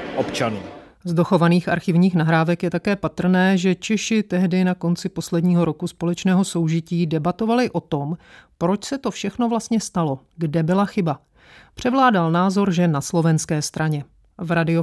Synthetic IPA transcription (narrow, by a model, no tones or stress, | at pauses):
ʔopt͡ʃanuː | zdoxo̞vaniːxʔa̰ɾxɪvɲiːxnaɦɾaːvɛkjɛt̪akɛːpat̪r̩nɛːʒɛt͡ʃɛʃɪt̪ɛɦdɪnako̞nt͡sɪpo̞slɛdɲiːɦo̞ɾo̞kuspo̞lɛt͡ʃnɛːɦo̞so̞wʒɪciːdɛbat̪o̞valɪʔo̞t̪o̞mpɾo̞t͡ʃsɛt̪ofʃɛxno̞vlast̪ɲɛst̪alo̞ | ɡdɛbɪlaxɪba | pr̝̥ɛvlaːdalnaːzo̞ɾʒɛnaslo̞vɛnskɛːst̪ɾʔaɲɛ | vɾadɪo